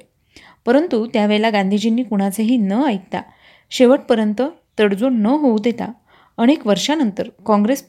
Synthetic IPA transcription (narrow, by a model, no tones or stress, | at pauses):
pəɾənt̪ut̪jaʋeɭlaɡand̪ʱid͡ʑinːiːkuɽ̃at͡seɦiːnəajt̪ːa̰ | ɕeʋəʈ̚pəɾjənt̪ət̪əɽd͡zonəɦoud̪et̪a̰ | əɽ̃ekʋəɾʂanənt̪əɾkɔ̃ŋɡɾes